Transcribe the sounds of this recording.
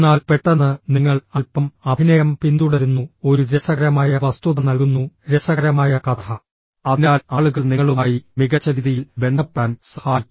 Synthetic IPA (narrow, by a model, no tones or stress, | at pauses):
naːlpe̞ʈːɐnːɐniŋːɐɭɐlpɐmɐbʱinɐjɐmpind̪uɽeɾunːuo̞ɾuɾesɐɣɐɾɐmaːjɐʋɐst̪uðɐnɐlkunːuɾesɐɣɐɾɐmaːjɐkɐt̪ʰɐ | ɐðinaːlaːɭuɣɐɭniŋːɐɭumaːjimiɣɐt͡ɕːɐɾiðijilbe̞ɳɖɐpːaːnsɐhaːl